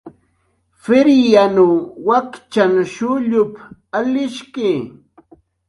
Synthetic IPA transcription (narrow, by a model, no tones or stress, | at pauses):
fɪɾjanuwakt͡ʃanʃʊʎʊpalɪʃkɪː